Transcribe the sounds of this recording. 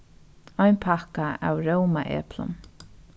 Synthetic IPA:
ɔjnpʰakaa̰wɹowmaʔɛ̰ːplʊ̰n

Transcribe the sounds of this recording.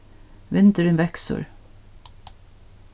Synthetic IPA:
ʋɪnt̪əɾenʋɛksə̰ɹ

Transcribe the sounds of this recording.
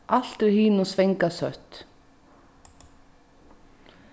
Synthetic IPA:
ʔal̥t̪ɾɪhiːnusvejŋkasœht̪

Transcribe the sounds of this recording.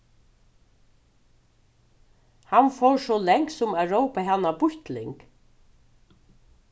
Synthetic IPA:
hanfɔɹsɔlɛŋksʊmæɾowpaɦanːabʊht̪lɪŋk

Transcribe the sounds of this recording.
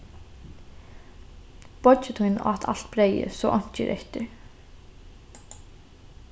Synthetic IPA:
pɔt͡ɕɪt̪ʰhujna̰t̪ʰa̰l̥t̪bɾeːjɪ̰sɔːʔɔɲ̥t͡ɕɪɾʔḛht̪ɪɾ

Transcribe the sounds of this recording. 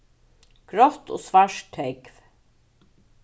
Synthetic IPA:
ɡ̥ɾɔt̪o̰ːsvaʂt̪ʰɛkv

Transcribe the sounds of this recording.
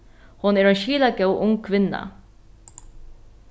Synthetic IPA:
hʊnɛːɾɛnʃiːlakɛwʔʊŋkʰʋɪnːa̰

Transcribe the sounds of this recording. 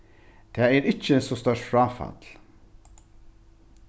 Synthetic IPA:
t̪ʰɛːɛɾɪt͡ʃːəsɔst̪œʂtfɾaːfa̰t̪l̥

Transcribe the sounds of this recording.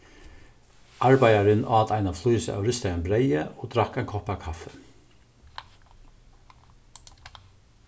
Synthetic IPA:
ʔɑɹbæɪɑɹɪnʔo̰ːɑt̪ʰæɪnɑflyːsə̰ʔɑ̰ʊɾʏst̪əɑnbɾæɪəoːd̪ɾɑkæɪŋkʰɔpɑːkʰɑfə

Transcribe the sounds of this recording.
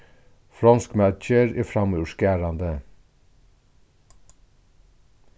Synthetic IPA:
fɾɑnskmæt͡ʃəɹiːfɾɑmuʃkæːɾɑnd̪ə

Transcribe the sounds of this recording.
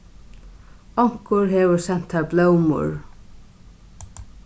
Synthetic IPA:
ɔŋ̥kʊɹɦeːʋʊɾsɛn̥t̪haɹblœwmʊ̰ɹ

